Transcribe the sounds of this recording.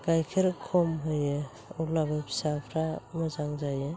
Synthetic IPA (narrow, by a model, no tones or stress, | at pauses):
kajkʰeɾkʰɔmɦɯje | ulababʰi̥sapʰɾamɯzaŋzaje